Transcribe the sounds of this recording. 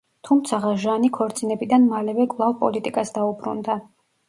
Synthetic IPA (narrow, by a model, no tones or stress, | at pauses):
t̪ʰumt̪sʰaʁaʒanikʰɔɾt̪sʼinɛbid̪anmalɛvɛkʼvlˠavpʼɔ̰lit̪ʼikʼasd̪aubɾṵnd̪a